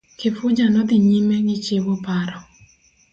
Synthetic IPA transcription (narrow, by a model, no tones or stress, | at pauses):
kɪfʊd͡ʒanɔd̪ɪɲimeɡɪt͡ʃewopaɾɔ